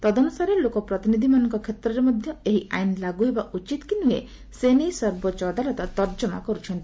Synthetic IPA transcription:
t̪ɔd̪ɔnusaɾelokɔpɾɔt̪inid̪ʱimanɔŋkɔkʰet̪ɾɔɾemɔd̪ʱjɔeɦiʔa̰jnlaɡuɦebaʔut͡ʃit̪kinuḛ | senejsɔɾbɔt͡ʃɔd̪alɔt̪ɔt̪ɔɾd͡ʒɔma̰kɔɾut͡ʃʰɔnt̪ii

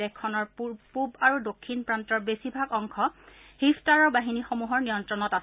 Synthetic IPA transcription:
ɛkʰːɔnɔɹupubaɹudokʰːinpɹantɔɹbesibʱaɡɔŋkʰɔ | hiftaɹɔbaɦinixomuɦɔɹnijɔntɹɔnɔtas

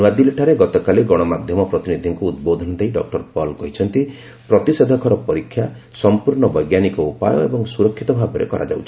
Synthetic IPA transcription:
ad̪ileʈʰaɾeɡɔt̪ɔkaleɡɔɽ̃ɔmad̪ʱjɔmɔpɾɔt̪inid̪ʱiŋkuːd̪̚bod̪ʱɔnd̪eiɖɔk̚ʈɔɾpɔlkɔɦit͡ʃʰɔnt̪i | pɾɔt̪ised̪ʱɔkʰɔɾɔpɔɾikʰːja | sɔmpuɾɳ̃ɔbɔjɡjanikɔupa̰jɔ̰ebɔŋsuɾɔkʰːit̪ɔbʱabɔɾḛkɔɾʔa̰d͡ʒa̰wt͡ʃʰ

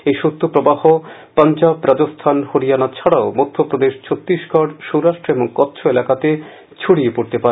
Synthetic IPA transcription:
ejʃot̪ːopɾobahopant͡ɕabɾad͡ʑost̪ʰanhoɾijanat͡ɕʰaɽaomod̪ʱːopɾod̪eʃt͡ɕʰot̪ːɾiʃɡʱɔɽʃowɾaʃʈɾeboŋkɔt̪ːɕʰoelakat̪e | t͡ɕʰuɽiepoɾt̪epaɾe

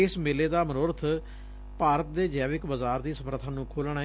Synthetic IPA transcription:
smeːleːd̪aːmənoːɾət̪ʰ | paːɾət̪̚d̪eːd͡ʒɛːʋɪkbəzaːɾd̪iːsəməɾət̪ʰãːnũːkʰoːlɳaːɦ

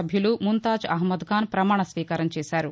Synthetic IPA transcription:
ɐbʱjulumunt̪aːd͡ʒɐɦmɐd̪ɡaːnpɾɐmaːɳɐsʋiːkaːɾɐmt͡ʃɛːsaːɾu

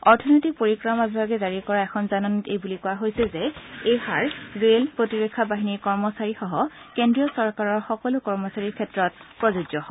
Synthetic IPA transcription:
ɔɹtʰɔnojtik̚poɹikɹɔmabibʱaɡɛzaɹikɔɹaɛkʰɔnzanɔntejbulikɔwaɦojsɛzɛejhaɹɹelpɹotiɹekʰːabaɦiniɹkɔɹmɔsaɹixɔɦɔ | kendɹijɔsɔɹkaɹɔɹxɔkɔlʊkɔɹmɔsaɹiɹkʰɛtɹɔt̚pɹɔzuɡɔɦɔ

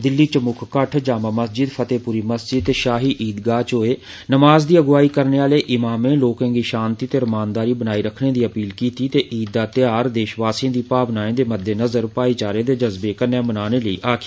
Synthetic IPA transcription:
d̪ɪlːiːt͡ʃəmʊkʰkəʈʰd͡ʒaːmaːməsd͡ʒɪd̪pʰət̪eːpuːɾiːməsd͡ʒɪd̪̚t̪eːʃaːɦiːʔiːd̪ɡaːt͡ʃoːeː | nəmaːzd̪iːəɡʋaːiːkəɾneːaːleːʔɪmaːmẽːloːkə̃ːŋɡiːʃãːnt̪iːt̪eːɾəmaːnd̪aːɾiːbənaːiːɾəkʰneːd̪iːəpiːlkiːt̪iːt̪eːʔiːd̪̚ːaːt̪ɪjaːɾd̪eːʃʋaːsiãːd̪iːpaːʋnaːẽːd̪eːməd̪ːeːnəzəɾpaːiːt͡ʃaːɾẽːd̪eːd͡ʒəzbeːkənːẽːmənaːneːləḭːʔaːkʰː

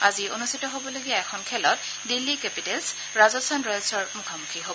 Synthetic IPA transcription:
azionustʰitɔɦobɔloɡiaɛxʰɔnkʰɛlɔt | dilːikɛpitɛls | ɹazɔstʰanɹɔjlsɔɹmukʰamukʰiɦobɔ

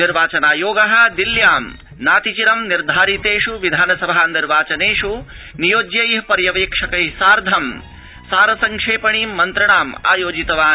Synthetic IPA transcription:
niɾʋaːt͡ʃɐnaːjoːɡɐɦɐ̆d̪iljaːm | naːt̪it͡ʃiɾɐmniɾd̪ʱaːɾit̪eːʂuʋid̪ʱaːnɐsɐbʱaːniɾʋaːt͡ʃɐneːʂu | nijoːd͡ʒjɐjɦpɐɾjɐʋeːkʂɐkɐjsaːɾd̪ʱɐm | saːɾɐsɐŋkʂeːpɐɳiːmːɐnt̪ɾɐɳaːma̰ːjoːd͡ʒit̪ɐʋaː

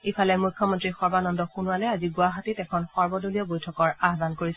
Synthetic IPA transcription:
epʰalɛmujkʰːɔmɔntɹixɔɹbanɔndɔxunualɛaziɡʊaɦatitɛkʰɔnxɔɹbɔdoliɔbojtʰɔkɔɹaɦbankoɹisɛ

